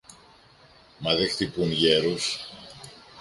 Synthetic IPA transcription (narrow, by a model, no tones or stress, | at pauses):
mɐðext̪ipunʝeɾus